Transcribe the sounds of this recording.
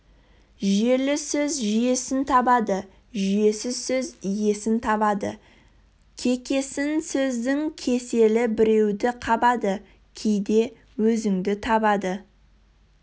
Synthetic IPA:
ʒe̞lɪsɵzʒʏje̞sɪnt̪ʰɑbɑd̪ə | ʒʏje̞sɪzsɵzije̞sɪnt̪ʰɑβɑd̪ə | kʲʰe̞kʲe̞sɪnsɵzd̪ɪŋkʲʰe̞se̞lɪbɪɾe̞wd̪ɪqʰɑbɑd̪ə | kʲʰejd̪e̞ | wɵzɪŋd̪ɪt̪ʰɑbɑd̪ə

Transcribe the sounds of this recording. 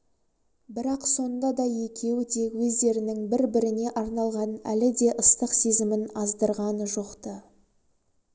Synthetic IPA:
bɪɾɑqso̞nd̪ɑd̪ɑje̞kʲʰe̞wɪd̪e̞wɵzd̪e̞ɾɪnɪŋbɪɾbɪɾɪne̞ʔɑɾnɑlˠʁɑnæ̰lɪd̪e̞ʔəst̪əqse̞zɪmɪnɑzd̪əɾʁɑnəʒo̞qt̪ə

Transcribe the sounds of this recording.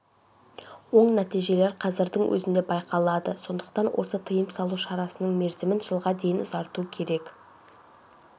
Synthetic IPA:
wo̞ɴnæt̪ijʒe̞le̞ɾqʰɑzɪɾd̪ɪŋwʔɵ̰zɪnd̪e̞bɑjqʰɑlˠɑd̪əso̞nd̪əqt̪ɑnwʔo̞̰sət̪ʰəjəmsɑlˠuʃɑɾɑsənəɴme̞ɾzɪmɪnʒəlˠʁɑd̪e̞jɪnʊzɑɾt̪uəkʲʰe̞ɾe̞k

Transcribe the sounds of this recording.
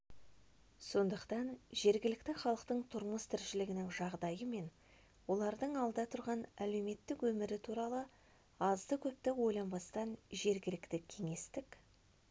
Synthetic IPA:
so̞nd̪əqt̪ɑnʒe̞ɾɡʲɪlɪkt̪ɪχɑlˠəqt̪əɴt̪ʰʊɾməst̪ʰɪɾʃɪlɪɡʲɪnɪŋʒɑʁd̪ɑjəme̞n | wo̞lˠɑɾd̪əɴɑlˠd̪ɑt̪ʰʊɾʁɑnæle̞wme̞t̪ːɪkwɵmɪɾɪt̪ʰuɾɑlˠə | ɑzd̪əkʲʰɵp̚t̪ɪwo̞jlˠɑmbɑst̪ɑnʒe̞ɾɡʲɪlɪkt̪ɪkʲʰe̞ŋe̞st̪ɪk

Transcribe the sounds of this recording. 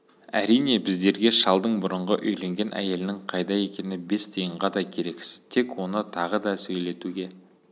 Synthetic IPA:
æ̰ɾijne̞bɪzd̪e̞ɾɡʲe̞ʃɑlˠd̪əɴbʊɾəɴʁəʔɵjle̞ŋɡʲe̞nʔæ̰je̞lɪnɪɴqʰɑjd̪ɑje̞kʲe̞nɪbe̞st̪ʰejəɴʁɑd̪ɑkʲʰe̞ɾe̞ksɪzt̪ʰe̞kwo̞nət̪ʰɑʁəd̪ɑsɵjle̞t̪uɡʲe̞

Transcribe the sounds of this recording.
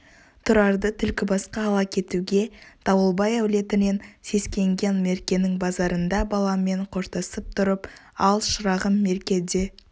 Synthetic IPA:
t̪ʰʊɾɑɾd̪ət̪ʰʏlkʲɪbɑsqɑːlˠɑkʲʰe̞t̪uɡʲe̞d̪̥ɑwəlˠbɑjæwle̞t̪ɪne̞nse̞skʲe̞ŋɡʲe̞nme̞ɾkʲe̞nɪŋbɑzɑɾənd̪ɑbɑlˠɑme̞ɴqʰo̞ɾt̪əsəp̚t̪ʰʊɾəpɑlˠʃʊɾɑʁənme̞ɾkʲe̞d̪e̞

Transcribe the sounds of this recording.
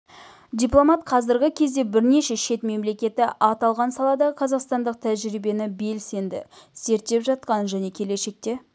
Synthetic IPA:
d̪ʲijplˠo̞mɑt̪̚qʰɑzɪɾɡʲɪkʲʰe̞zd̪e̞bɪɾne̞ʃe̞ʃe̞t̪me̞mle̞kʲe̞t̪ɪʔɑt̪ɑlˠʁɑnsɑlˠɑd̪ɑqʰɑzɑqst̪ɑnd̪əq̚t̪ʰæʒɾijbe̞nɪbe̞lse̞nd̪ɪ̰se̞ɾt̪ːe̞pʒɑt̪̚qɑnʒæne̞kʲʰe̞le̞ʃe̞k̚t̪e̞

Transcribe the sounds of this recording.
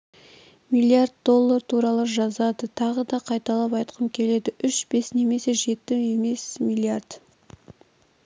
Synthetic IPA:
mijlʲˠiard̪̚d̪o̞lˠːaɾt̪ʰuɾɑlˠəʒɑzɑd̪ət̪ʰɑʁəd̪ɑqʰɑjt̪ɑlˠɑpɑjt̪qʰəmkʲʰe̞le̞d̪ɪʔʏʃb̥e̞sne̞me̞se̞ʒe̞t̪ːɪe̞me̞smilʲˠiard̪̥

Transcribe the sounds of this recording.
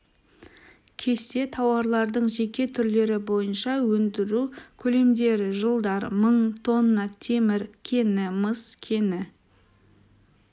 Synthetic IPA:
kʲʰe̞st̪e̞t̪ʰɑwɑɾlˠɑɾd̪əɴʒe̞kʲe̞t̪ʰʏɾle̞ɾɪbo̞jənʃɑwɵnd̪ɪɾukʲʰɵle̞md̪e̞ɾʒəlˠd̪ɑɾməɴt̪ʰo̞nːɑt̪ʰe̞mɪɾkʲʰe̞nɪməskʲʰe̞nɪ

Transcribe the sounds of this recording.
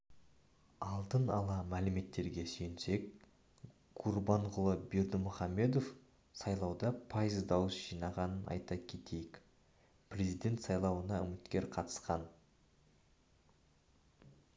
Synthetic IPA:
ɑlˠt̪ənɑlˠɑmælɪme̞t̪ːe̞ɾɡʲe̞sɵjnse̞k̚ | qʰurbɑɴʁʊlˠəbeɾd̪ɪmʊχɑmːe̞d̪o̞f | sɑjlˠɑwd̪ɑpʰɑjəzd̪ɑwəsʒ̥ijnɑʁɑnənʔɑ̰jt̪ɑkʲʰe̞t̪ʰe̞jɪk | prʲe̞zid̪e̞nt̪sɑjlˠɑwənɑʏmɪt̪kʲe̞ɾqʰɑt̪ə̥sqɑn

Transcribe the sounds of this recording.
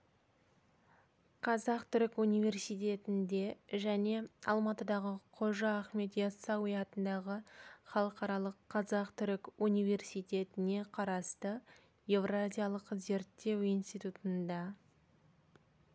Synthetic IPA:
qʰɑzɑqt̪ʰʏɾɪkunijvʲe̞rsijt̪̬ʲe̞t̪ɪnd̪e̞ʒæne̞ɑ̰lˠmɑt̪əd̪ɑʁəqʰo̞ʒɑːχme̞t̪jɑsɑwijɑt̪ənd̪ɑʁəχɑlˠəqɑɾɑlˠəqʰːɑzɑqt̪ʰʏɾɪkunijve̞rsijt̪ʲe̞t̪ɪne̞qʰɑɾɑst̪ə | je̞vrazʲijalˠəqze̞ɾt̪ːe̞wijnst̪ijt̪ut̪ənd̪ɑ

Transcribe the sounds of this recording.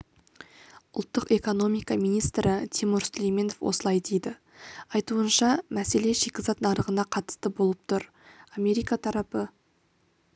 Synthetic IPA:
ʊlˠt̪ːəqe̞ko̞no̞mijkɑmijnijst̪ɾɪt̪ʰimuɾslʲejme̞no̞fwʔosəlˠɑjd̪ejd̪ɪ | ɑjt̪uənʃɑmæse̞le̞ʃekʲɪzɑt̪nɑɾəʁənɑqʰɑt̪ə̥st̪əbo̞lˠəp̚t̪ʰʊɾ | amʲe̞ɾijkat̪ʰɑɾɑpə

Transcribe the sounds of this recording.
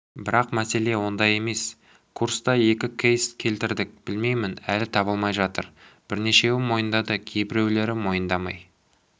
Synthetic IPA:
bɪɾɑqmæse̞le̞wo̞nd̪ɑje̞me̞s | kʰuɾst̪ɑje̞kʲɪkʲʰejst̪kʲʰe̞lt̪ɪɾd̪ɪk̚b̥ɪlme̞jmɪnælɪt̪ʰɑβəlˠmɑjʒɑt̪ə̰ɾb̥ɪɾne̞ʃe̞wɪmːo̞jənd̪ɑd̪əkʲʰe̞jbɪɾe̞wle̞ɾɪmo̞jənd̪ɑmɑ̰j

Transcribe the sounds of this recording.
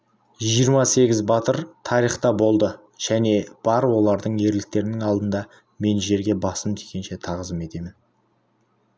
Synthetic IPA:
ʒijəɾmɑse̞ɡʲɪzbɑt̪əɾt̪ʰɑɾiχt̪ɑbo̞lˠd̪ə | ʒ̥æne̞b̥ɑɾwo̞lˠɑɾd̪əɴe̞ɾlɪk̚t̪e̞ɾɪnɪŋɑlˠd̪ənd̪ɑ | me̞nʒe̞ɾɡʲe̞bɑsəmt̪ʰe̥kʲe̞nʃe̞t̪ʰɑʁəzəme̞t̪e̞mɪn

